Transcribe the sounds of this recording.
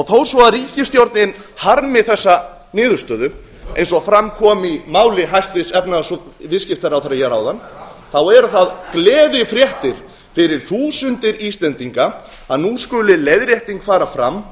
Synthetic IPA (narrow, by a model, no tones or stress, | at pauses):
ɔɣθow̥svɔaðɾiːcɪst̪jowɾt̪nɪn | haɾmɪθɛsːa | nɪːðʏɾ̥st̪œːðʏ | ḛjnsɔfɾamkʰɔːmimaːwlɪɦajst̪vɪðsɛpnasɔvɪðscɪft̪aɾawθɛɾajɛɾawðanθawɛɾʏθaðklɛːðɪfɾjɛht̪ɪɾ̥ | fɪɾɪɾ̥θuːsʏnt̪ɪɾiːst̪lɛnt̪iŋka | aðnuskʏlɪlejðɾjɛht̪iŋkfaːɾafɾam